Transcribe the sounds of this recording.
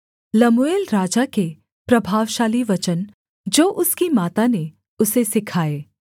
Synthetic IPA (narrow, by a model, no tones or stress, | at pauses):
lɐmʊeːlɾaːd͡ʒake | pɾɐbʱaːʋʃaːliʋɐt͡ʃən | d͡ʒoːʔʊskimaːt̪ane | ʊsesɪkʰaːeː